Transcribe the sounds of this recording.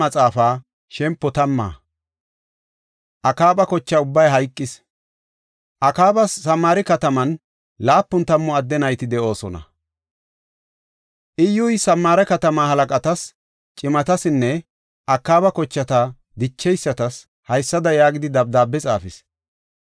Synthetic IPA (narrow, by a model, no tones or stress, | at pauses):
ɐt͡sʼaːfaː | ʃɛmpːɔt̪ɐmːa̰ː | ʔɐkaːpʼɐkɔt͡ʃːɐʊbːɐjɦɐjkʼːɪs | ʔɐkaːbɐsːɐmːaːɾɪkɐt̪ɐmɐn | laːpːʊnt̪ɐmːɔɐd̪ːɛnɐjt̪ɪd̪ɛʔo̞ːsɔ̰nɐ̰ | ʔɪjːʊjsɐmːaːɾɛkɐt̪ɐmaːhɐlɐkʼɐt̪ɐs | t͡ʃʼɪmɐt̪ɐsɪnːɛ | ʔɐkːaːbɐkɔt͡ʃːɐt̪a | d̪ɪt͡ʃːɛjsːɐt̪ɐs | hɐjsːɐd̪ɐjaːɡɪd̪ɪd̪ɐb̚d̪aːbːɛt͡sʼaːfɪs